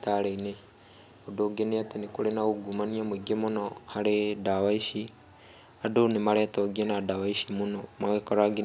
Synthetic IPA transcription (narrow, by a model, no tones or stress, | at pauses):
taɾeine | odoːɡeneatenekoɾenaɣoɡumaniamoiɡemonɔhaɾedawaiʃi | adonemaɾɛːtɔɡienadawaiʃimonɔmawɛkɔɾaɡe